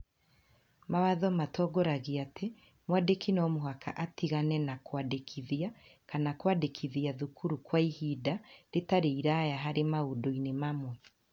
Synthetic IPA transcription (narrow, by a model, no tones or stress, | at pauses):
mawaðɔmatʰɔːɡɔɾaɣiate | mwadekinɔmoɦakʰa̰ʔatiɣanɛnakwadekʰiðiakanakwadekʰiðiaðukʰuɾukwaihidaɾetaɾeiɾajaɦaɾemaodoinemamwɛ